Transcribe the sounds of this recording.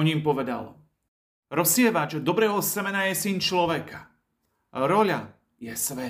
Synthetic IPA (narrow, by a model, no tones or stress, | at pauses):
ɔɲimpɔʋɛd̪a̰l | ɾɔsɪɛʋat͡ʃd̪ɔbɾɛːɦɔsɛmɛnajɛsint͡ʃlɔʋɛkḁ | ɾɔʎa | jɛsʋɛ